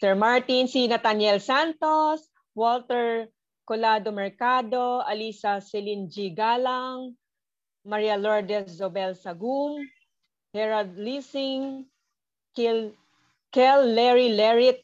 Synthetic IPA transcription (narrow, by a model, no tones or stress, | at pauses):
sɛɹmaɹt̪insinɐt̪anjɛlsant̪os | wɔlt̪ɛɹ | kolad̪omɛɹkad̪o̞ɐlisɐsɛlind͡ʒiɡalaŋ | mɐɹijalɔɹd̪ɛsdobɛlsɐɡum | hɛɹad̪̚lisɪŋ | kɛlːɛɹilɛɹɪt̪̚